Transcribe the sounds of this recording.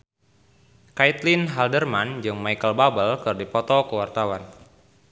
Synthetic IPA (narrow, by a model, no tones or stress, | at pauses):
kait̪linɦaldərmand͡ʒɨŋmajkəlbabəlkɨrdipɔt̪ɔkəwart̪awan